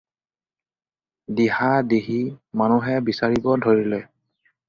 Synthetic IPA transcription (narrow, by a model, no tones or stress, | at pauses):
dihadeɦimanuɦɛbisaɹibɔdʱoɹilɛ